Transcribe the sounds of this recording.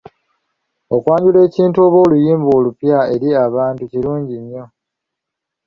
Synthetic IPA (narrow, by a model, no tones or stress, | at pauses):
okwaːɲɟule̞ːciːntuo̞βo̞lujiːmbo̞ːlupjae̞ɾiaβaːntuciɾuːɲɟiɲːo̞